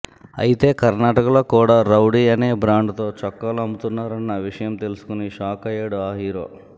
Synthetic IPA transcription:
ɐ̰jit̪e̞ːkɐɾnaːʈɐkɐloːkuːɽaːɾɐwɽiːɐneːbɾaːɳɖt̪o̞ːt͡ʃɔkːɐluɐmbut̪unːaːɾɐnːɐʋiʂɐjɐmt̪e̞lusu̥kuniʃaːkɐjeːɽaːɦiːɾo̞ː

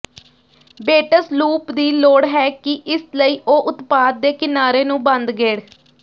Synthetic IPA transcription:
beːʈəsluːpd̪iːloːɽɦɛːkɪʔɪsləiːʔoːʔʊt̪paːd̪̚ːeːkɪnaːɾeːnũːbə̃nd̪ɡeːɽ

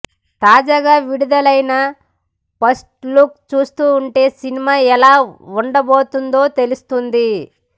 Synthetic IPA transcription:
t̪aːd͡ʒaːɡaːʋiɽud̪ɐlɐjnɐ | pɐsʈlukt͡ʃuːst̪uːɳʈe̞ːsinimaːɛlaːuɳɖɐbo̞ːt̪und̪o̞ːt̪e̞lust̪und̪i

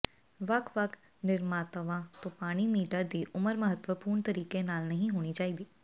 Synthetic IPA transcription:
ʋɐkʰʋəkʰ | nɪɾmaːt̪əʋãt̪õpaːɽ̃imiːʈəɾd̪iːʔʊməɾmɐɦət̪ʋəpuːɾɳt̪əɾiːkenaːlnɐɦĩɦoːɽ̃it͡ʃaːiːd̪iː

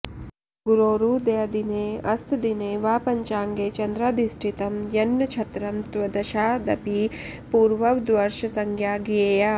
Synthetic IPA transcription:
ɡuɾoːɾuːd̪ejɐd̪ineːɐst̪ʰd̪ineːʋaːpɐɲt͡ʃaːŋɡeːt͡ʃɐnd̪ɾaːd̪isʈʰit̪ɐmjɐnːɐt͡ʃʰɐt̪ɾɐmt̪ʋɐd̪ɐʃaːd̪ɐpipuːɾʋɐʋd̪ʋɐɾʃɐsɐŋɡʰʱjaːɡieːjaː

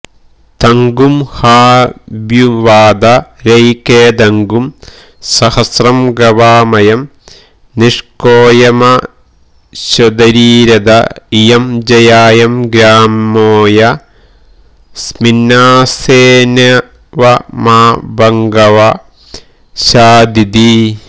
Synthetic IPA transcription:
t̪ɐŋɡumhaːbjuʋaːd̪ɐɾɐjkeːd̪ɐŋɡum | sɐhɐsrɐmɡɐʋaːmɐjɐm | niʂkoːjɐmɐ | ɕɐd̪ɐɾiːɾɐd̪ɐijɐmd͡ʒɐjaːjɐmɡɾaːmoːjɐ | sminːaːseːnɐ | ʋɐmaːbɐŋɡɐʋɐ | ɕaːd̪id̪i

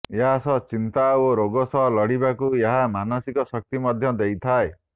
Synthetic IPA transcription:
eɦasɔt͡ʃint̪aoɾoɡɔsɔɦɔlɔɽibakueɦamanɔsikɔsɔk̚t̪imɔd̪ʱjɔd̪ejt̪ʰae

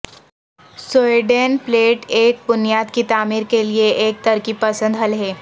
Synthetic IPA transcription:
soeɖenpleːʈeːk̚bʊnijaːd̪kit̪aːmiːɾkelieʔeːk̚t̪əɾkipɐsə̃nd̪ɦəlɦeː

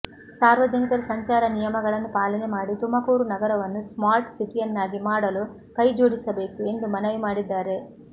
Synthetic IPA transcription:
saːɾʋɐd͡ʒɐnikɐɾsɐɲt͡ʃaːɾɐnijɐmɐɡɐɭɐnupaːlɐnemaːɽit̪umɐkuːɾunɐɡɐɾɐʋɐnːusmaːɾʈsiʈiɐnːaːɡ̪imaːɽɐlu | kɐjd͡ʒoːɽisɐbekiend̪umɐnɐʋimaːɽid̪ːaːɾeː

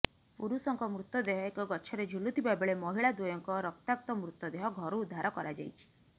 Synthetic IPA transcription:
puɾusɔŋkɔmɾut̪ːɔd̪eɦɔekɔɡɔt͡ʃʰɔɾed͡ʒʱulut̪ʰibabeɭemɔɦiɭad̪ujɔŋkɔɾɔkt̪ak̚t̪ɔmɾut̪ːɔd̪eɦɔɡʱɔɾuːd̪ʱːaɾɔkɔɾad͡ʒa̰jt͡ʃʰi̥

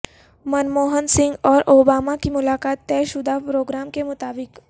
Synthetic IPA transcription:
mɐnmoːɦənsɪ̃ŋɡɔːɾʔoːbaːmakimʊlaːkaːt̪ːɛːʃʊd̪ʱapɾoːɡɾaːmkemʊt̪aːbɪk

